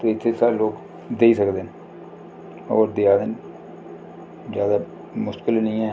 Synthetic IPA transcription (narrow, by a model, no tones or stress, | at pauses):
t̪oːɪt̪ʰːesaːloːk | d̪eːisəkd̪eːne | ɔ̰ːɾd̪eaːd̪en | zjaːd̪a | mʊʃtkɪlnəĩːɦɛ̃ː